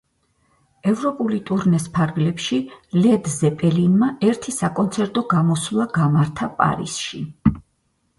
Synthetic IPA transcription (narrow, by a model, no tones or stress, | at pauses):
ɛvɾɔpʼulit̪ʼuɾnɛspʰaɾɡlɛpʃilɛd̪zɛpʼɛlinmaɛɾt̪ʰisakʼɔnt̪sʰɛɾt̪ʼɔɡamɔslˠaɡamaɾt̪ʰapʼa̰ɾḭsʃi